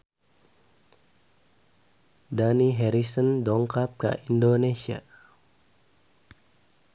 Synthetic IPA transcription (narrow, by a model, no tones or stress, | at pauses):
daniɦɛɾisəndɔŋkap̚ka̰ʔindonesia̰